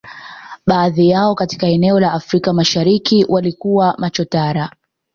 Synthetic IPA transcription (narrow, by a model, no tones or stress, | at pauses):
ɓaːðijaɔkati̥kaɛnɛɔlaːfɾikamaʃaɾikiwʔalikuwamat͡ʃɔtaɾa